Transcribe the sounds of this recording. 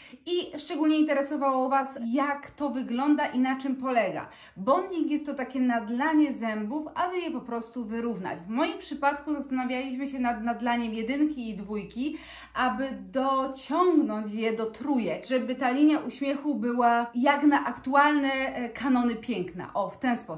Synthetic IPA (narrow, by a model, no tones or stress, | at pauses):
iʂt͡ʂɛɡulɲɛint̪ɛɾɛsɔvawɔvasjakt̪ɔvɘɡlɔnd̪aʔinat͡ʂɘmpɔlɛɡa̰ | bɔnd̪ikjɛst̪ːɔt̪akʲɛnad̪laɲɛzɛmbufabɘjɛpɔpɾɔst̪uvɘɾuvna̰d͡ʑvmɔjimpʂɘpat̪kuzast̪anavʲjalʲiɕmɘɕɛnad̪nad̪laɲɛmjɛd̪ɘŋkʲiːd̪vujkʲi | ʔabɘd̪ɔt͡ɕɔŋɡnɔɲt͡ɕjɛd̪ɔt̪ɾujɛkʐɛbɘt̪alʲiɲjaʔuɕmʲjɛxubɘwajaknaʔakt̪ualnɛkʰanɔnɘpʲjɛŋkna̰ʔɔft̪ɛnspɔ